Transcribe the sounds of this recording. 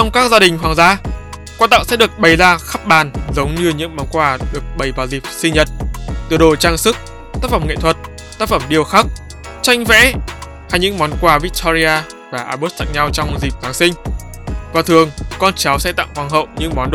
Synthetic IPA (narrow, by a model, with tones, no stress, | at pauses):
t͡ɕɔ˧wŋ͡mkaː˦˥k̚zaː˧ɗï˨˩ŋ̟ɦwaː˨˩ŋzaː˧˦ | kwaː˧t̪a̰˧˨ŋsɛ̰˧˥ɗɨ˨˩ək̚ɓə˨˩jzaː˧xa˦˥p̚ɓaː˨˩nzə˨˦wŋ͡mɲɨ˧ɲɨ̰˧˥ŋmɔ˨˦nkwaː˨˧˩ɗɨ˨˩ək̚ɓə˨˩jvaː˨˩zi˨˩p̚sï˧ɲə˨˩t̚t̪ɨ˧˨əɗo˨˩t͡ɕaː˧ŋsɨ˦˥k̚ | t̪aː˦˥k̚fə˧˩mŋḛ˧˨t̪ʰwə˨˩t̚ | t̪aː˦˥k̚fə˧˩mɗi˨˩əwxa˦˥k̚ | t͡ɕa˧jŋ̟vɛ̰˧˥ | haː˧jɲɨ̰˧˥ŋmɔ˨˦nkwaː˧˩vi˦˥k̚t̪ʰɔ˧zi˧aː˧ | vaː˨˩ʔaː˧ɓo˦˥t̚t̪a̰˧˨ŋɲa˧wt͡ɕɔ˧wŋ͡mzi˨˩p̚ɣaː˨˦ŋsï˧ŋ̟ | vaː˨˩t̪ʰɨ˨˩əŋkɔ˧nt͡ɕa˨˦wsɛ̰˧˥t̪a̰˧˨ŋkwaː˨˧˩ŋɦə̰˧˨wɲɨ̰˧˥ŋmɔ˨˦nɗo˧˨